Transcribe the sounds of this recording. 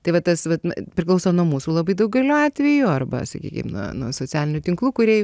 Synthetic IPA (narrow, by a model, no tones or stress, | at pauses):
t̪ɐɪʋɐt̪ɐsʋɐtpʲɾʲɪklˠɐʊsoːnuɔmuːsuːlˠɐbɐɪd̪ɐʊk̚ɡɐɪlʲuːɑːt̪ʲʋʲɛjuɐrbɐ̰sɐ̰kʲḭːkʲɪ̰mnṵɔnuɔsoːt͡sʲæːlʲɪnʲʊt̪ʲɪŋklˠuːkʊɾʲiɛ